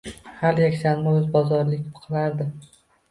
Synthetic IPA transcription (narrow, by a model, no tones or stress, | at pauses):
haljakʲsʰanmɪɵzbɒzɒɾlɪkʲpqʰɨlˠaɾd̪ɪ